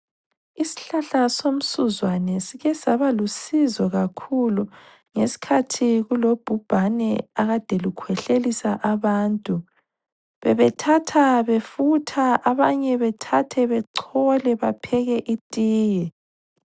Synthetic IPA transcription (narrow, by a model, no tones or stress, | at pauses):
isi̥ɬaɬasom̩suzwanɛsiɣɛsaβalusizɔɣakʰulu | ŋesi̥kʰatʰiɣulob̥ʱub̥ʱanɛaɣad̥ʱɛlukʰwɛɬelisaʔaβaːntʼu | βɛβɛtʰatʰaβefutʰaaβaɲɛβɛtʰatʰɛβɛǀʰɔlɛβapʰɛɣɛʔitʼiːjɛ